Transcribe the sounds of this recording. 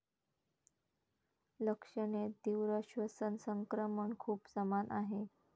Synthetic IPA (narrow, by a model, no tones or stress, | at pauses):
ləkʂəɳed̪iʋɾəɕʋəsənsəŋkɾəməɳkʰuːpsəmanʔaɦe